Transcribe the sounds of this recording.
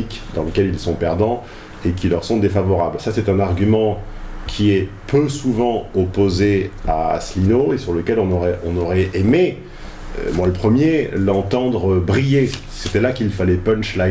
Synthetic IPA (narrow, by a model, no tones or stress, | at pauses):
ikd̪ɑ̃ləkʲɛlilsɔ̃pɛʁd̪ɑ̃ | ekʲilœʁsɔ̃d̪efavɔʁablsasɛt̪ɛ̃naʁɡʲymɑ̃kʲʰiɛpʰøsuvɑ̃ɔpozea̰slinoesyʁləkʲɛlɔ̃nɔʁɛʔɔ̃nɔʁɛʔeme | ø̰mwaləpχəmjelɑ̃t̪ɑ̃d̪ʁəbʁije | set̪ɛlakilfalɛpɛ̃nʃla